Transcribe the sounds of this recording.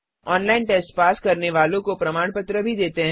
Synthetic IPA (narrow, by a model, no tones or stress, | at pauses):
ɔːnlaːɪnʈeːsʈpaːskɐɾneʋaːlõkopɾɐmaːɽpət̪ɾəbʱid̪eːt̪eɦɛ